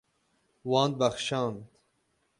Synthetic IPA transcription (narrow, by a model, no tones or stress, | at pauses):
wɑːnd̪̚bɐxʃɑːnt̪